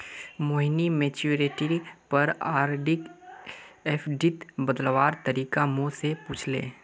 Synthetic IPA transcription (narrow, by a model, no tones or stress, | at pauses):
moːɦnimeːt͡ʃuːɾeːʈɾipɐɾaːɾɖɪk | eːpʰɖit̪bəd̪lʋaːɾt̪əɾiːkamosepuːt͡ʃʰlḛ̃ː